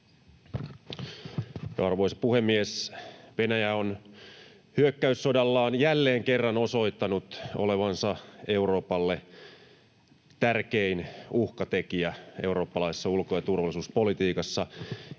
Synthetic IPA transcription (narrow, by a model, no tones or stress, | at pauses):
jɑrʋo̞ijsɑpuhe̞mːiesʋe̞næjæon | hyøkːæysːodɑlːɑːnjælːe̞ːŋkerːɑno̞so̞it̪ːɑnut̪o̞̰le̞ʋɑnsɑe̞uro̞ːpɑlːe | t̪ærkeinuhkɑt̪e̞kiæe̞wɾo̞ːpːɑlɑisesːɑulkojɑt̪urʋɑlisuːspo̞lit̪iːkɑsːɑ